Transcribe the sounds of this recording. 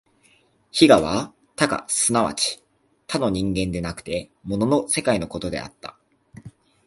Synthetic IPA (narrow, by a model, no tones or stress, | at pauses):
çiɡaβa | t̪aɡa̰sɨnaβa̰t͡ɕi̥ | t̪ano̞ɲ̟ĩŋɡẽ̞nd̪e̞nakɯ̟̥t̪e̞mo̞nono̞se̞kaino̞ko̞t̪o̞d̪e̞̰a̰t̪ːa̰